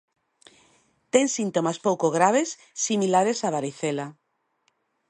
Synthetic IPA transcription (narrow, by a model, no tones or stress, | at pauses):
t̪eŋsint̪omaspowkoɣ̞ɾaβ̞esː | imilaɾesaβaɾiθela